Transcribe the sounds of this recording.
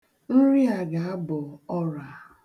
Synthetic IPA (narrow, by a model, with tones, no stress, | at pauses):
n̩˦ɾi˦a˨ɡa˨a˦bɔ˨ɔ˦ɾa˨